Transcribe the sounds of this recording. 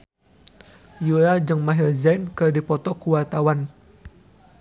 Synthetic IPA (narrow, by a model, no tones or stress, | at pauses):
juɾad͡ʒɨŋmaɦirzajnkɨrdipɔt̪ɔkuwart̪awan